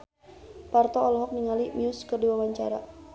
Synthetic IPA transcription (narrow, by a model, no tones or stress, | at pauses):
part̪ɔːlɔɦɔk̚niŋalimiʊskərdiwawaɲt͡ʃaɾa̰